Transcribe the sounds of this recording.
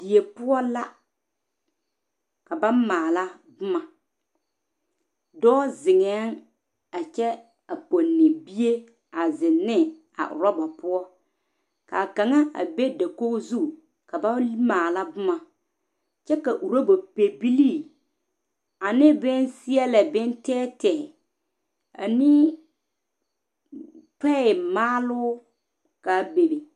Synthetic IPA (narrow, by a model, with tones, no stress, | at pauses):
d̥i˨e˨pʊ˦ɔ˦la˦ | ka˨ba˦maː˨la˦ | bʊ˦ma˨ | dɔː˦zɪ˨ŋɛ˨˦n | a˨t͡ʃɛ˦ | a˨po˨nːɪ˨bi˦e˦ | a˨zɪ˨nːɪ˦ | a̰˨ʔʊ̰˨ɾɔ˦ba˨pʊ˦ɔ˦ | ka˨ka˨ŋa˦ʔa̰˨be˦da˨ko˦zu˦ | ka˨ba˦maː˨la˦bʊ˦ma˨ | t͡ʃɛ˦ka˨ʔu˨ɾo˦bo˨pe˨bi˦liː˦˨ | a˨nɪ˦bɪ˦n˦sɪ˦ɛ˦lɛ˨bɪ˦n˦tɛː˦tɛ˨ | a̰˨ni˦ | tɛ˦˨maː˦lʊː˦ | ka˨be˨be˨